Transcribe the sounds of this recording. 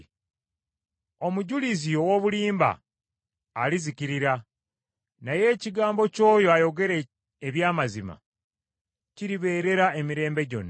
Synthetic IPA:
o̞muɟuliziowo̞βuliːmba̰ː | liziciɾiɾa | naje̞ːciɡaːmbo̞co̞ːjo̞ajo̞ɡe̞ɾe | eβjaːmazima̰ | ciɾiβe̞ːɾe̞ɾae̞miɾe̞ːmbe̞ɟo̞̰nːa

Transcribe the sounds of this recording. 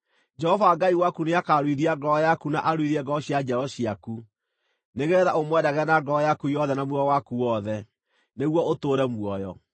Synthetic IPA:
d͡ʒɛhɔvaːɡaiwakuneakaɾwiðiaɡɔjakunaʔaɾwiðiɛɡɔɕjad͡ʒɛɾɔɕiaku | neɣɛðaomwɛdaɣɛnaɡɔjakujɔðɛnamwuɔwakuwɔðɛ | neɣwɔotoːɾɛmwɔjɔ̰

